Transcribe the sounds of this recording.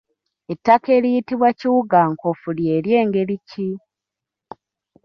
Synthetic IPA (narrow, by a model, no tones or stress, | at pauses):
etːake̞ɾijitiβwaciwuɡaːŋkofulje̞ɾje̞ːŋɡe̞ɾici